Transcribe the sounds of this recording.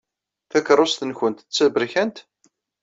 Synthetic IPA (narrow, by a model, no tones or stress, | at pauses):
θækɾˤosθənçənt̪t͡sːæbɾiçænt̪